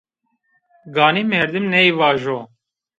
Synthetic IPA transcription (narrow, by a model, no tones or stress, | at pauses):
ɡaːniːmeːɾd̪ɨmneiʋaːʒoː